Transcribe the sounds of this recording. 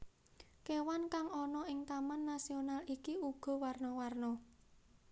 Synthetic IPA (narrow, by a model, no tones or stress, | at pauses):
kewankaŋɔnɔɪŋt̪amanːasionalikiuɡ̥ɔ̤warnɔwarnɔ